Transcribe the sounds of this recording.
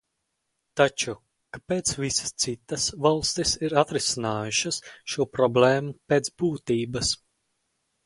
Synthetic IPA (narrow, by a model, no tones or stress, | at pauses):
t̪at͡ʃu | kapeːt̪svisɐ̥st̪sit̪ːasvalˠst̪isiɾat̪ɾisinaːjuʃɐsʃuɔpɾɔbleːmupeːt̪sbuːt̪iːbɐs